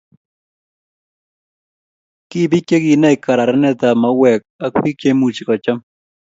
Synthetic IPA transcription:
kɪ˦˨bi˦ke˦ɡi˨na˦ɪ˨ka˨ɾa˨ɾɛ˦nɛ˦d̪a˨ma˦wɛ˨k̚a˦kpi˦ke˦mu˨t͡ʃi˨kɔ˨t͡ʃa˦m

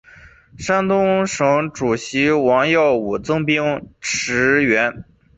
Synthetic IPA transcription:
ʂa˥nt̪ʊ˥ŋʂɤ˧˥ŋʈ͡ʂu˨˩ɕi˧˥wɑ˧˥ŋjɑ˥˩ʊu˨˩t͡sɤ˥ŋpi˥ŋʈ͡ʂʰɻ̩˧˥ɥɛ˧˥n

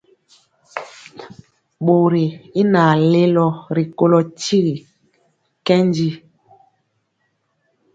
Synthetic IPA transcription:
ɓo˨ɾi˨i˦na˨le˦lɔ˦ɾi˨ko˦lɔ˨ti˦ɣi˨ | kɛ˦nd͡ʒi˦

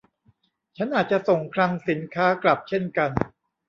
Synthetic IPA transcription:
t͡ɕʰa˦˥nʔaː˨˩t̪̚t͡ɕa˨˩ʔso˨˩ŋkʰɾa˧ŋsi˩˦nkʰaː˦˥kla˨˩p̚t͡ɕʰe˥˩nka˧n

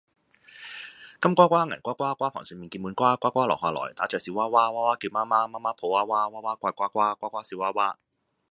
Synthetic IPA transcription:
kɐ˥mkʷaː˥kʷaː˥ŋɐ̰˨˩nkʷaː˥kʷaː˥kʷwʷaː˥pʰa̰ː˨˩ŋsœː˧miː˨nki˧muː˨˥nkʷaː˥kʷwʷaː˥kʷaː˥lɔ̰ː˨˩k̚haː˨˧lɔ̰ː˨˩jt̪aː˨˥t͡ʃœː˨siː˨˧˥waː˥waː˥waː˥waː˥kiː˧wmaː˥maː˥maː˥maː˥pʰo˨˧waː˥waː˥waː˥waː˦˥kʷaː˧jkʷaː˥kʷaː˥kʷaː˥kʷaː˥siː˨˧waː˥waː˥

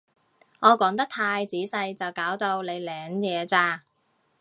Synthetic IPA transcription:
ŋɔː˨˧kɔː˨˥ŋt̪ɐ˥k̚t̪ʰaː˧jt͡siː˨˥sɐ˧jt͡sɐ˨˩wkaː˨˥wt̪o˧wle˨˧jlɛː˨˧ŋjɛː˨˧t͡saː˧

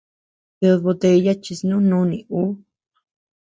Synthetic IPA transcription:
jo˧βo˧t̪e˧ja˦t͡ʃi˧snũ˦nũ˦nĩ˨˧u˦

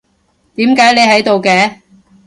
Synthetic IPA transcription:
t̪iː˨˥mkaː˨˥jne˨˧jhɐ˨˥jt̪o˨wkɛː˧

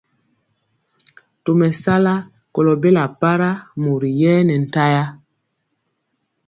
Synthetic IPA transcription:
to˨mɛ˨sa˦la˦ | ko˨lɔ˨be˦la˨pa˦ɾa˦mo˨ɾi˨jɛː˦nɛ˨n̩˨ta˦ja˦

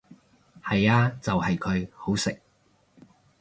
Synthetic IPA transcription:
hɐ˨jaː˧t͡sɐ˨whɐ˨jkʰɵ˨˧ɥho˨˥wsɪ˨k̚

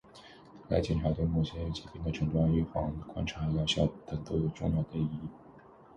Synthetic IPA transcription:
la˧˥ɪt͡ɕjɛ˨˩nʈ͡ʂʰa˧˥t̪we˥˧mu˥˩ɕʰjɛ˧˥ny˧˩t͡ɕi˧˥˩pʰi˥˩ŋd̪ə˨˩ʈ͡ʂʰɤ˧˥ŋt̪wa˥ny˥˩xwɑ˧˥ŋkwa̰˥nʈ͡ʂʰa˧˥jɑ˧˥ʊɕjɑ˥˩pt̪ə˥˩t̪o˥ʊjo˨˩ʊʈ͡ʂʊ̰˥˧ŋjɑ˥˩ʊd̪ə˧i˥˩

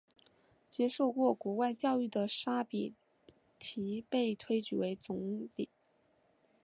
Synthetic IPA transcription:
t͡ɕjɛ˥ʂo˥˧ʊkwɔ˥˩kwɔ˧˥wa˥˧ɪt͡ɕjɑ˥˧ʊy˥˩d̪ə˩ʂa˥pi˨˩ | t̪ʰi˧˥pe˥˩ɪt̪ʰwe˥ɪt͡ɕy˨˥˩we˧˥ɪt͡sʊ˧˥ŋt̪i˨˩˦

